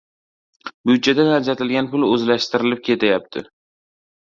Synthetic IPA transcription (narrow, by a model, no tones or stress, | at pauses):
byd̪̚d͡ʒad̪anaɾd͡ʒat̪ʰɪlɡʲanpʊlɵzlaʃt̪ɪɾɪlɪp̚kʲʰe̞t̪ʰajap̚t̪ʰɪ̰